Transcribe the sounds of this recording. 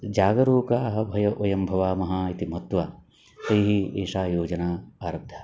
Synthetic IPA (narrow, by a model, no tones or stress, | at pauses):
d͡ʒaːɡɐɾoːkaːɦɐ̆bʱɐjɐʔʋɐjɐmbʱɐʋaːmɐɦaːit̪imɦɐt̪ʋaː | t̪ɐjɦieːʂaːjoːd͡ʒɐnaːaːɾɐb̚d̪ʱḁː